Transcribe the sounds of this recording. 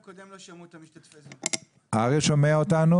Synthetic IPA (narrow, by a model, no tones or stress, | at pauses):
d̪ | aʁeʃomeaot̪anu